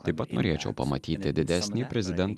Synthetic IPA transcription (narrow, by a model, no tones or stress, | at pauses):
t̪ɐɪpːɐt̪no̰ːɾʲeːt͡ʃʲɛ̰ʊpɐ̰mɐ̰t̪ʲiːt̪ʲɪd̪ʲɪd̪ʲæsʲnʲiːpʲɾʲɛzʲɪd̪ʲɛnt̪